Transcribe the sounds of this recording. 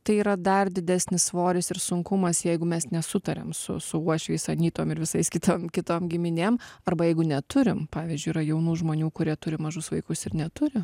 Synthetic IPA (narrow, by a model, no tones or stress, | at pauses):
t̪ɐɪiːɾɐd̪ɐrd̪ʲɪd̪ʲæːsʲnʲɪssʋoːɾʲɪsɪɾsʊŋkʊmɐsjɛɪɡʊmʲɛsnʲɛsʊt̪ɐɾʲɛ̰msʊ̰sʊuɔʃʲʋʲɛɪsɐnʲiːt̪oːmɪɾʋʲɪsɐɪskʲɪt̪oːmkʲɪt̪oːmɡʲɪmʲɪnʲeːmɐrbɐjɛɪɡʊnʲɛt̪ʊɾʲɪmpɑːʋʲizʲd͡ʒʲʊɪiːɾɐjɛʊnuːʒmoːnʲuːkʊɾʲiɛt̪ʊɾʲɪmɐʒʊsʋɐɪkʊsɪɾnʲɛt̪ʊɾʲɪ